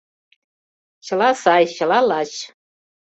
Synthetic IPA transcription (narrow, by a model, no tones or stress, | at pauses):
ʃalasajʃalalaʃ